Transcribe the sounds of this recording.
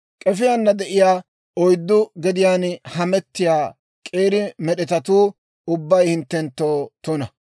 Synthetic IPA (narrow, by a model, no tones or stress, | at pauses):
kʼɛfɪjanːɐd̪ɛʔɪjaː | ɔjd̪ːʊɡɛd̪ɪjaːnhɐmɛt̪ːɪjaː | kʼe̞ːɾɪmɛɗɛt̪ɐt̪uː | ʊbːɐjhɪnt̪ːɛnt̪ːoːt̪ʊnɐ